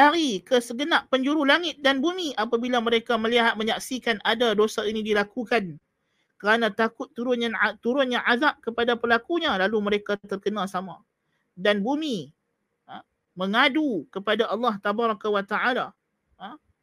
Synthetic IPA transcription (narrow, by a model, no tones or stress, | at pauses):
aɾikəsəɡənaʔ̚pəɲd͡ʒuɾulaŋɪt̪̚danbumiʔapabilaməɾekaməliɦat̪̚mə̃ɲaksikanadadosainĩdilakukan | kəɾanãt̪akʊt̪ːuɾʊnjat̪uɾʊnɲãʔazap̚kəpadapərlakuɲãlaluməɾekat̪ərkənãsamã | danbumĩ | mə̃ŋadukəpadaʔɑlːɑht̪abaɾakawat̪aʕala